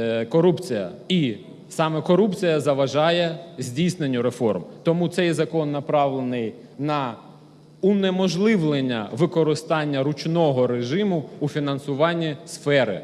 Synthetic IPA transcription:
kɔɾupt͡sʲijɐ̰i | sɑmɛkɔɾupt͡sʲijɐzɐʋɐʒɑjɛzʲdʲijsnenʲːʊɾefɔ̰rmt̪ɔmut̪sɛjzɐkɔnːɐpɾɑʋlˠenɪj | nɐ | unemɔʒlˠɪʋlˠenʲːɐ̰ʋɪkɔɾɪst̪ɑnʲːɐɾʊt͡ʃnɔɦɔɾeʒɪmʊufʲinɐnsʊʋɑnʲːisfɛɾɪ̰

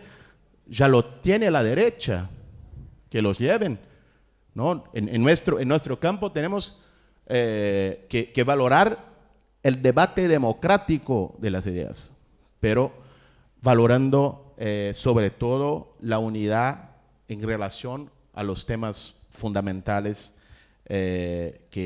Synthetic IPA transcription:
ʒalo̞t̪je̞nelaðe̞ɾet͡ʃa̰ | kelo̞zʎeβen | noenenːwest̪ɾoenːwe̞st̪ɾo̞kampot̪ene̞mos | ekekeβalo̞ɾaɾ | eld̪eβat̪eðe̞mo̞kɾat̪ikoðe̞lasiðe̞̰a̰s | peɾo̞ | βaloɾand̪o̞eso̞βɾe̞t̪o̞ðo̞launið̞a | enre̞lasjo̞n | a̰lo̞st̪e̞masfund̪amẽnt̪ales | eke

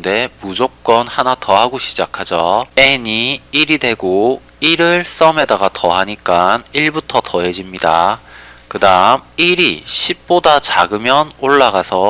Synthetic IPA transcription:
nde̞mud͡ʑok̚k͈ʌnhanatʌhaɡoɕʰid͡ʑakʰad͡ʑʌeɲiːɾide̞ɡo | iɾɯɭs͈ʌmedaɡatʌɦaɲik͈aniɭbutʰʌtʌɦe̞d͡ʑimɲida̰kɯdamiɾiɕʰip̚p͈odat͡ɕaɡɯmjʌnoɭːaɡasʰʌ

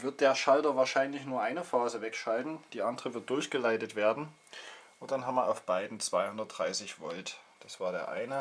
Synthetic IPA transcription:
vɪɐt̚d̥eːɐʃaltɐvaːɐʃaɪnlɪçnuːɐʔaɪnəfaːzəvɛkʃaltn̩d̥iːʔandəʁəvɪɐt̚d̥ʊɐçɡ̥əlaɪtətv̥eːɐdn̩ | ʔʊnt̚d̥anɦaːmiɐʔaʊfb̥aɪdn̩t͡sv̥aɪhʊndɐt̚d̥ʁaɪsɪçv̥ɔltd̥asv̥aːɐɾeːɐʔa̰ɪnə

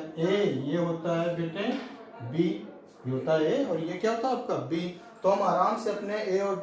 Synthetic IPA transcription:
ejeɦoːt̪aɦɛbeːʈe | bi | iɦoːt̪aɦɛeɔːɾjekjaɦoːt̪aɦɛaːp̚kabi | t̪oɦɐmaːɾaːmseɐpneeɔɾ

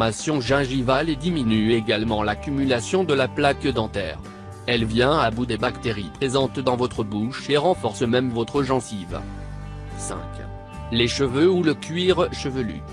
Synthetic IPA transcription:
masjɔ̃ʒɛ̃ʒivaled̪iminyeɡalmɑ̃lakʲymylasjɔ̃d̪əlaplakd̪ɑ̃t̪ɛ̰ːʁ | ɛlvjɛ̃abud̪ebakt̪eʁipχezɑ̃t̪d̪ɑ̃vɔt̪χəbuʃeʁɑ̃fɔʁsmɛmvɔt̪χəʒɑ̃siv | sɛ̰̃kʲ | leʃəvøuləkʲɥiʁʃəvəly̰

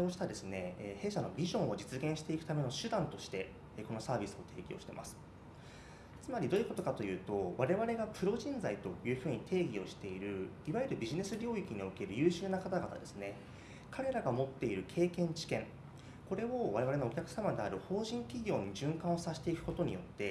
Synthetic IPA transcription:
oɕi̥t̪ad̪e̞sɨne̞ːhe̞ːɕano̞bʲiʑõ̞ɰ̃o̞d͡ʑit͡sɨɡẽɰ̃ɕi̥t̪e̞ikɯ̟t̪ame̞no̞ɕɨd̪ãnt̪o̞ɕi̥t̪e̞ | ko̞no̞saːbʲisɨo̞t̪ʰe̞ːɡʲio̞̰ɕi̥t̪e̞mʔa̰sɨ̥ | t͡sɨmaɾʲid̪o̞jɯ̟ko̞t̪o̞kat̪o̞jɯ̟ːt̪o̞βaɾe̞βaɾe̞ɡapɯ̟ɾo̞ʑĩnd͡zait̪o̞jɯ̟ːɸɯ̟ːɲ̟it̪ʰe̞ːɡʲio̞ɕi̥t̪e̞iɾɯ̟iβajeɾɯ̟bʲiʑine̞sɨɾʲo̞ːikʲiɲ̟io̞ke̞ɾɯ̟jɯ̟ːɕɨːnakat̪aɡat̪a̰d̪e̞sɨne̞ | kʰaɾe̞ɾaɡamo̞t̪ːe̞iɾɯ̟kʰe̞ːkẽ̞ɲ̟t͡ɕi̥kẽ̞ŋ | ko̞ɾe̞o̞βaɾe̞βaɾe̞noːkʲakɯ̥samad̪e̞aɾɯ̟ho̞ːʑĩŋkʲiɡʲo̞ːɲ̟iʑɨ̃ŋkãɰ̃o̞saɕi̥t̪e̞ikɯ̟̥ko̞t̪o̞ɲ̟ijo̞t̪ːe̞

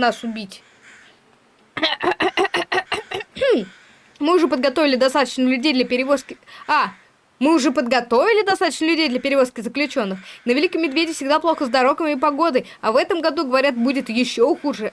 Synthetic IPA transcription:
nasʊbʲitʲ | mɨʊʐɛpəd̪̚ɡɐt̪o̞vʲɪlʲɪd̪ɐst̪at̪ət͡ɕnəlʲʉdʲejd̪lʲəpʲɪɾʲɪvo̞skʲɪa | mɨʊʐɛpəd̪ɡɐt̪o̞vʲɪlʲɪd̪ɐst̪at̪ət͡ɕnəlʲʉdʲejd̪lʲɐpʲɪɾʲɪvo̞skʲɪzəklʲʉt͡ɕo̞nːɨxnəvʲɪlʲikəmːʲɪd̪vʲedʲɪfsʲɪɡd̪aplˠo̞xəzd̪ɐɾo̞kəmʲɪpɐɡo̞d̪əj | ɐvɛt̪əmɡɐd̪uɡəvɐɾʲat̪̚budʲɪt̪jɪɕːoxuʐɨ

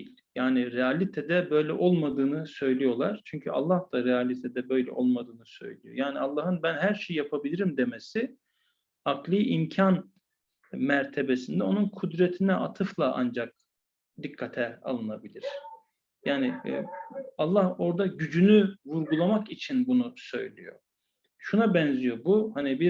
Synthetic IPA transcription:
d̪ilʲjaːnɪɾɛalʲit̪ʰɛd̪ɛbø̞jlʲɛʔo̞lˠmad̪ɯːnɯsø̞jlʲijo̞lˠaɾ̥t͡ʃʰyɲcʰya̰lˠːahd̪aɾɛalʲit̪ʰɛd̪ɛbø̞jlʲɛ̰ʔo̞lˠmad̪ɯːnɯsø̞̰jlʲijo̞̰jaːnialˠːaːhɯnbænɦæɾʃejijapʰabilʲiɾimd̪e̞mesɪ | aklˠɯːimcʰan | mæɾt̪ʰe̞besind̪ɛo̞nunkʰud̪ɾɛt̪ʰinɛʔat̪ʰɯflˠaʔa̰nd͡ʒak̚ | d̪ikʰːat̪ʰɛa̰lˠɯnabilʲiɾ̥ | jaːnɪ̰ | alˠːaho̞ɾd̪aɟyd͡ʒynyvuɾɡulˠamakit͡ʃʰinbunusø̞̰jlʲḭjo̰ | ʃunabɛnzijo̞buhanibi

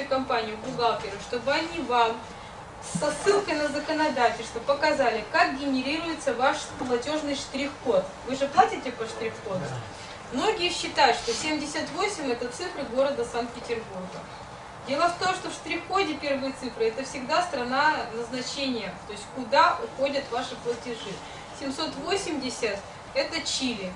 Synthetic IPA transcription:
jʊkɐmpanʲɪjʊɡʊɡalˠkʲɪɾəʂt̪o̞bɨɐnʲivam | sːɐsːɨlˠkəjnəzəkənɐd̪atʲɪlʲst̪vəpəkɐzalʲɪkak̚ɡʲɪnʲɪɾʲiɾʊjɪt̪səvaʂməlˠɐtʲo̞ʐnɨjʂt̪ɾʲɪxːo̞t̪ | vɨʐɨplˠatʲɪtʲɪpəʂt̪ɾʲɪxːod̪ʊ | mno̞ɡʲɪjəɕːɪt̪ajʊt̪ʂt̪osʲemdʲɪsʲət̪vo̞sʲɪmʲɛt̪ət̪sɨfɾɨɡo̞ɾəd̪əsant̪̚pʲɪtʲɪrburɡə | dʲe̞lˠəft̪o̞mʂt̪o̞fʂt̪ɾʲɪxːo̞dʲɪpʲe̞rvɨjət̪sɨfɾɨɛt̪əfsʲɪɡd̪ast̪ɾɐnanəznɐt͡ɕenʲɪjət̪o̞jɪsʲtʲkʊd̪axo̞dʲət̪vaʂɨplˠətʲɪʐɨ | sʲɪmso̞t̪vo̞sʲɪmdʲɪsʲət̪ | ɛt̪ət͡ɕilʲɪ

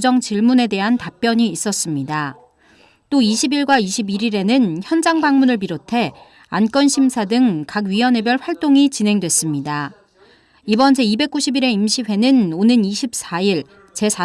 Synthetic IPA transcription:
d͡ʑʌŋt͡ɕiɭmune̞de̞ɦantap̚p͈jʌɲiːs͈ʌs͈ɯmɲida | t͈oiɕʰibiɭɡwaiɕʰibiɾiɾe̞nɯnçjʌnd͡ʑaŋbaŋmunɯɭpiɾotʰe̞ | a̰nk͈ʌnɕʰimsʰadɯŋkakɥiʌne̞bjʌɭɸwaɭt͈oŋit͡ɕinɦe̞ŋdwe̞s͈ɯmɲida | ibʌnd͡ʑe̞ibe̞k͈uɕʰibiɾe̞imɕʰiɸe̞nɯnonɯniɕʰip̚s͈aiɭ | t͡ɕe̞sa

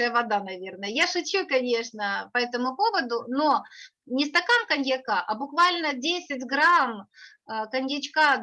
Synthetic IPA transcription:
ɨjəvɐd̪anɐvʲe̞rnəjəjaʂɨt͡ɕʲukɐnʲe̞ʂnəpɐɛt̪əmʊpo̞vəd̪ʊno̞ | nʲɪst̪ɐkamkɐnʲjɐkaʔɐbʊkvalʲnədʲesʲɪtʲɡɾam | kɐnʲjɪt͡ɕka

